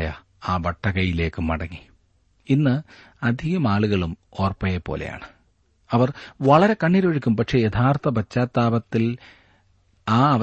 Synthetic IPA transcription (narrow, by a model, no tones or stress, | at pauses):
jɐ | aːbɐʈʰːɐɣɐjile̞ːkːɨmːɐɽɐŋːi | inːɨ | ɐd̪ʱiɣɐmaːɭuɣɐɭumo̞ːrpɐjepːo̞̰ːlḛja̰ːɳɨ | ɐʋɐrʋɐɭɐɾe̞kɐɳːiɾoːɻikʲːumpɐkʂe̞jet̪ʰaːrt̪ɐbɐt͡ɕːaːt̪ːaːbɐt̪ːil | aːɐʋ